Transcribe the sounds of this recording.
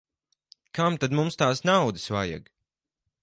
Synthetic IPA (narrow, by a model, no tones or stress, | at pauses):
kamt̪ad̪mumst̪aːsnawd̪ɨ̥svaːja̰ɡ